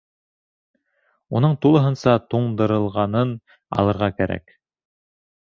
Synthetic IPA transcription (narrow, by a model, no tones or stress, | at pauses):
unɤɴt̪ulˠɤ̆ɦɤ̆nsɑt̪uɴd̪ɤ̆ɾɤ̆lˠʁɑnɤn | ɑ̰lˠɤ̆ɾʁɑkæɾæ̰k